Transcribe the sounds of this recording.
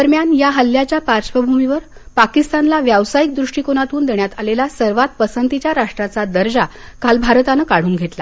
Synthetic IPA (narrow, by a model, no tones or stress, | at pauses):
əɾmjanjaɦəljat͡ɕjapaɾt͡ɕʋəbʱumiʋəɾ | pakist̪anlaʋjaʋsajik̚d̪ɾuʂʈikonat̪uːnd̪eɳjat̪alelasəɾʋat̪̚pəsənt̪it͡ɕjaɾaʂʈɾat͡sad̪əɾd͡ʑakʰalbʱaɾt̪anəkaɽ̤uːnɡʱet̪la